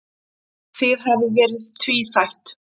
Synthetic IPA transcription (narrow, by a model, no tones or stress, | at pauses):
θɪðɦɛvɪvɛːɾɪð̥t̪ʰviːθajht̪